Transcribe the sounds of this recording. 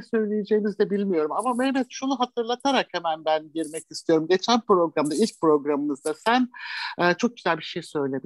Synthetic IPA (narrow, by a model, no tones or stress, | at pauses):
ɛsø̞jlʲejed͡ʒejːmizd̪ɛbilʲmijo̞ɾumamamenɛt̪ʃunuɦat̪ʰɯɾlˠat̪ʰaɾakhemænbænɟiɾmɛcist̪ʰijo̞ɾumɟe̞t͡ʃʰænpɾo̞ɡɾamd̪ailʲc̚pɾo̞ɡɾamɯmɯzd̪asænːt͡ʃʰo̞k̚ɟyzælʲbiʃejsø̞jlʲe̞bi